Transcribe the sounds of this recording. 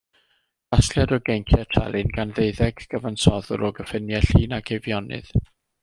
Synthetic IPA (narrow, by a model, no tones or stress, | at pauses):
asɬjadɔɡejŋkʰjɛtʰɛ̰lˠɨnɡanðeɨðɛɡ̥ɡ̥əvansɔðʊ̰ɾɔɡəfɪnjɛɬiːnaɡ̥evjɔnɨ̰ð̥